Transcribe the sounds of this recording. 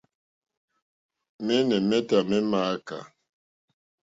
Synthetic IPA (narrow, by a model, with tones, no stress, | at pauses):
mɛ˦nɛ˨mɛ˦ta˨mɛ˦maː˦ka̰˨